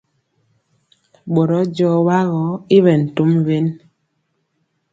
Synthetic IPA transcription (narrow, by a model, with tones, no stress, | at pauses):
ɓo˨ɾɔ˨˦d͡ʒɔ˦wa˦ɣɔ˨˦i˦βɛ˨n̩˨tu˦mve˦n